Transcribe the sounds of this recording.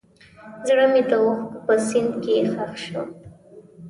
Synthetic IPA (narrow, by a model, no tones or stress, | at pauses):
zɽəmet̪awuxkpəsɪnd̪kexaxʃo̰